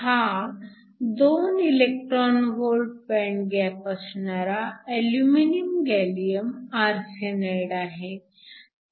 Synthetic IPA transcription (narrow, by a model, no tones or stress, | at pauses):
ha | d̪onilek̚ʈɾɔnʋolɖ̚pɛ̃ɳɡɛpəsnaɾaeljuminimɡɛlijəmaɾseneɽaɦe